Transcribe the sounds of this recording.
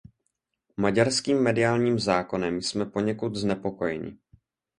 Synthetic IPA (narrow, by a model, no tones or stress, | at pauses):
maɟaɾskiːmːɛdɪaːlɲiːmzaːko̞nɛmjsmɛpo̞ɲɛkut̪znɛpo̞ko̞jɛɲɪ̰